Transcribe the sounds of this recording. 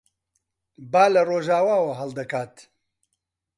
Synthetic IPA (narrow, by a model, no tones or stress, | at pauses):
baːlɐroːʒaːwaːwɐɦɐlˠd̪ɐkaːt̪